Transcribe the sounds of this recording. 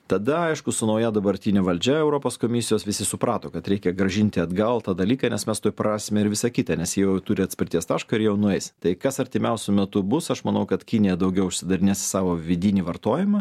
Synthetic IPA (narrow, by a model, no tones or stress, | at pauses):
t̪ɐd̪ɐɐɪʃkʊsʊnɐʊjɛd̪ɐbɐɾʲt̪ʲiːnʲɛʋɐlʲd͡ʒʲɛɛʊɾoːpoːskoːmʲɪsʲɪjoːsʋʲɪsʲɪsʊpɾɑːt̪oːkɐt̪ɾʲɛɪkʲɛɡɾɐʒʲɪnʲt̪ʲɪɐd̪ɡɐlˠt̪ɑːd̪ɐlʲiːkɐnʲɛsmʲɛst̪oːjpɾɑːsʲɪmʲɛɪɾʋʲɪsɐkʲit̪ɑnʲɛsjiɛjɛʊt̪ʊɾʲɪɐt̪ʲsʲpʲɪɾʲt̪ʲiɛst̪ɑːʃkɐɪɾjɛjɛʊnʊɛɪst̪ɐɪkɐsɐɾʲt̪ʲɪmʲɛʊsʲʊmʲɛt̪ʊbʊsɐʃmɐnɐʊkɐt̪kʲinʲɪjɛd̪ɐʊɡʲɛʊʊʃʲsʲɪd̪ɐɾʲɪnʲeːsʲɪ̥sɑːʋoːʋʲɪd̪ʲɪnʲiːʋɐrt̪oːjɪmɑ